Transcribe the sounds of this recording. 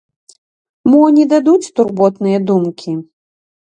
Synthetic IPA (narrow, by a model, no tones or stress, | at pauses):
mɔnʲɛd̪ad̪ut͡sʲt̪urbɔt̪nɨjɐd̪umkʲi